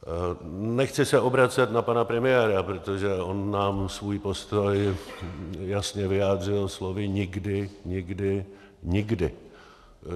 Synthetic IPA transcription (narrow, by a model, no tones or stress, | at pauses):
nɛxt͡sɪsɛʔo̞bɾat͡sɛt̪napanapɾɛmɪjɛːɾapɾot̪o̞ʒɛʔo̞nːaːmsvuːjpo̞st̪o̞j | jasɲɛvɪjaːd̪r̝ɪlslovɪɲɪɡdɪɲɪɡdɪ | ɲɪɡdɪ